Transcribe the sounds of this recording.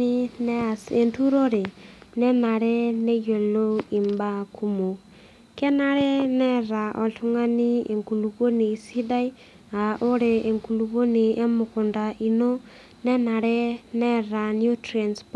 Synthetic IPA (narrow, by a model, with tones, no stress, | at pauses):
i˦nɛ˦˨e˨ntu˦ɾo˦ɾe˨nɛ˦na˨ɾɛ˦ne˦jo˨lo˦i˨mba˦kʰu˦mo˨ | kɛ˦na˦ɾɛ˦nɛ˦ɾa˨ʔɔ˨ɬu˦ŋa˦ni˦e˨ŋku˨lu˨βo˦ni˨si˦da˦i˦ | a˨ʔo˦ɾe˨e˨ŋku˨lu˨βo˦ni˨ʔe˦mʊ˨kʊ˨nda˨ʔi˨no˦ | nɛ˦na˨ɾɛ˦nɛ˦ɾa˨nju˦tɾa˨nsp